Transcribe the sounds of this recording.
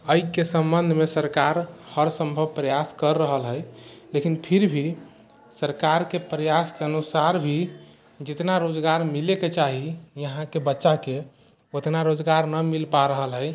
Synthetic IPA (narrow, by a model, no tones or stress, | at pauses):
əjkesəmbənd̪ʱmesəɾkaɾhəɾsə̃mbʱəb̚pɾəjaskəɾːəɦəlɦəjlekinpʰiɾbʱi | səɾkaɾkepɾəjaskeənusaɾbʱi | d͡ʒɪt̪naɾod͡ʒɡaɾmileket͡ʃaɦijəɦãkebətːʃake | ot̪naɾod͡ʒɡaɾnəmilpaɾəɦəlɦəj